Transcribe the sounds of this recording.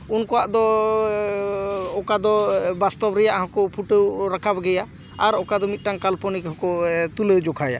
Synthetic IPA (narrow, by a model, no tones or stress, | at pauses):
unkɔwaʔd̪ɔ | ɔkad̪ɔbast̪ɔbɾɛjaʔɦɔ̃kɔpʰuʈəwɾakʰabɡɛja | aɾɔkad̪ɔmit̪̚ˀʈaŋkalpɔnikhɔkɔt̪uləd͡ʒɔkʰaja̰